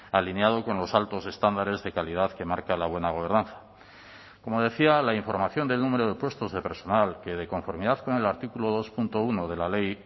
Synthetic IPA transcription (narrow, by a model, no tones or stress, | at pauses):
alineað̞o̞ko̞nlo̞salt̪o̞se̞st̪and̪aɾe̞zðe̞kalið̞aðke̞maɾkalaβ̞we̞naɣ̞o̞β̞e̞ɾnanθḁ | ko̞mo̞ð̞e̞θialaiɱfo̞ɾmaθjo̞nd̪e̞lnũme̞ɾo̞ðe̞pwe̞st̪o̞zðe̞pe̞ɾso̞nalke̞ð̞e̞ko̞ɱfo̞ɾmiðaðko̞ne̞laɾt̪ikuloðo̞spunt̪o̞uno̞ð̞e̞lale̞j